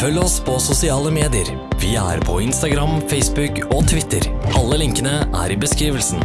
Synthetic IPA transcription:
fœlːəɔspʰɔsʊsɪɑːləmeːd̪ɪəɾ | ʋɪæ̰ːɾpʰɔɪnst̪ɑɡɾɑmfɛɪsbʉk | ot̪ʰʋɪt̪əɾʔɑlːəlɪŋkənəʔæ̰ɾɪbəskɾiːʋəlsn̩

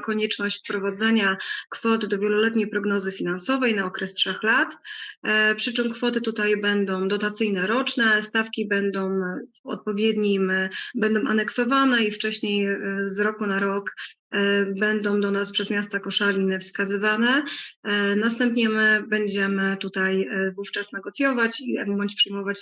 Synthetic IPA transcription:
kɔɲɛt͡ʂnɔɕt͡ɕfpɾɔvad̪zɛɲakfɔt̪ɘd̪ɔvʲjɛlɔlɛt̪ɲejpɾɔɡnɔzɘfʲin̪ansɔvɛjnaɔkɾɛstʂɛxlat̪ | pʂɘt͡ʂɘmkfɔt̪ɘt̪ut̪ajbɛnd̪ɔ̃w̃d̪ɔt̪at̪sɘjnɛɾɔt͡ʂnɛst̪afkʲibɛnd̪ɔ̃w̃vɔ̰t̪̚pɔvʲjɛd̪ɲimbɛnd̪ɔ̃w̃ʔanɛksɔvanɛift͡ʂɛɕɲejzɾɔkunaɾɔk | bɛnd̪ɔ̃w̃d̪ɔnaspʂɛzmʲjast̪akɔʂalʲinɛfskazɘvanɛ | nast̪ɛmpɲɛmɘbɛɲd͡ʑɛmɘt̪ut̪ajvuft͡ʂasnɛɡɔt̪sʲjɔvat͡ɕiɛmumɔɲt͡ɕpʂɘjmɔvat͡ɕ

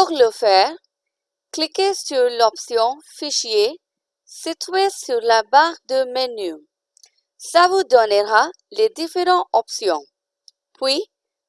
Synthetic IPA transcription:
puʁləfɛːʁ | klikesyʁlɔpsjɔ̃fiʃje | sit̪ɥesyʁlabaʁd̪əməny | savud̪ɔnəʁa | led̪ifeʁɑ̃ɔpsjɔ̃ | pɥi

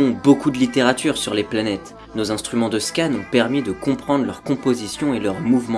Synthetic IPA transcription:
ɔ̃bokud̪əlit̪eʁat̪yʁsyʁleplanɛt̪ | nozɛ̃st̪χymɑ̃d̪əskanɔ̃pɛʁmid̪əkɔ̃pχɑ̃d̪ʁlœʁkɔ̃pozisjɔ̃elœʁmuvmɑ̃

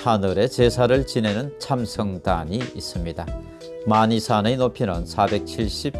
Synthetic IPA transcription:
hanɯɾe̞t͡ɕe̞sʰaɾɯɭt͡ɕine̞nɯnt͡ɕʰamsʰʌŋdaɲiis͈ɯmɲida | maɲisʰanenopʰinɯnsʰabe̞k̚t͡ɕʰiɭɕ͈ip̚

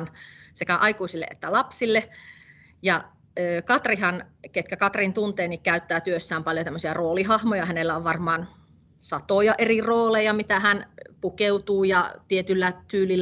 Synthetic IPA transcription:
nsekæʔɑikuˑsilːḛʔḛt̪ːælɑpsilːe | jɑ | øːkɑt̪riɦɑnket̪kækɑt̪rint̪unt̪eːnikkæyt̪ːæːt̪yøsːæːmpɑljot̪æmːøsiɑroːliɦɑhmojɑhænelːæoʋʋɑrmɑːn | sɑt̪ojɑʔeriroːlejɑmit̪æhænpukeut̪uːjɑt̪iet̪ylːæt̪yːlilː

